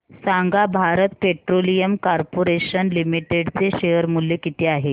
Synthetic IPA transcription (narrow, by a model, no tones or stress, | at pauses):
saŋɡabʱaɾət̪̚peʈɾolijəmkaɾpoɾeɕənlimiʈeɽt͡seɕejəɾmuljekit̪ʰeaɦe